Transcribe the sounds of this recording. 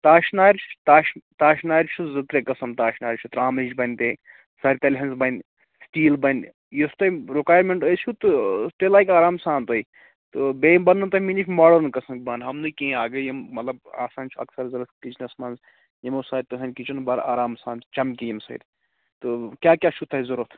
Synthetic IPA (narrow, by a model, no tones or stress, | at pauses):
t̪aːʃnaːjɾt͡ʃʰt̪aːʃt̪aːʃnaːjɾt͡ʃʰuzɨt̪ɾekɐsɐmt̪aːʃnaːjɾʲt͡ʃʰut̪ɾaːmit͡ʃbɐnʲt̪e | saːɾʲt̪ɐlʲɦɐnzbɐnʲ | sʈiːlbɐnʲ | just̪ɐjɾikaːjɾmeɳʈəsʲt͡ʃʰut̪ɨt̪elaːjkaːɾaːmsaːnt̪oi | t̪ɨbeːjmbɐnːɐnt̪ɐminit͡ʃʰʲmaːɖɐɾnkɐsɐmk̚ʲbɐːnɦɐmnɨkẽaːɡɨjimmɐt̪lɐba̰ːsaːnt͡ʃʰuɐ̰ksɐɾzɐɾɐt̪ʰkit͡ʃnɐsmɐːnz | jimɐsaːɾʲt̪ɨɦɐnʲkit͡ʃunbɐɾa̰ːɾaːmsaːnt͡ʃt͡ʃɐmkʲijimsɐ̰id̪ | t̪ɨkʲaːkʲaːt͡ʃʰut̪ʰɐizɐɾut̪ʰ